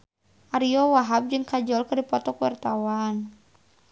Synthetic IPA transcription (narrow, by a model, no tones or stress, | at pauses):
ʔaɾiɔwaɦab̚d͡ʒɨŋkad͡ʒɔlkɨrdipɔt̪ɔkwa̰rt̪awan